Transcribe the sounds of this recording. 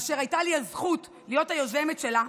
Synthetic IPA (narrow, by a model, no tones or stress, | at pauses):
ʃeʁajtaliazχut | lijo̞thajo̞ze̞metʃe̞la